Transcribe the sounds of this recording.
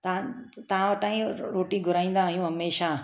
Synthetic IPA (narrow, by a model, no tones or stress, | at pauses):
t̪t̪ɐʋ̤ãʋɐʈaːĩɾoːʈiɡʱʊɾaːĩːn̆d̪aːɦijũɦɐmeːʃa